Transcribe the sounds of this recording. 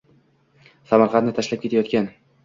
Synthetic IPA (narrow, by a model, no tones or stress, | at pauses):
samaɾqʰɑnt̪nɪt̪ʰaʃlap̚kʲe̞t̪ʰajɒt̪kʲan